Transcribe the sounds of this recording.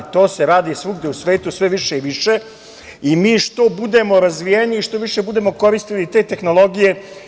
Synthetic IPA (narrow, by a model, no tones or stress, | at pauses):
t̪o̞ːse̞ɾaːd̪isʋuɡd̪eusʋe̞ːt̪usʋe̞ʋiʃeiʋiʃe | imiːʃt̪o̞bud̪e̞mo̞ɾazʋijeniːʃt̪o̞ʋiʃe̞bud̪e̞mo̞ko̞ɾist̪ilit̪e̞ːt̪e̞xno̞lˠo̞ɡije̞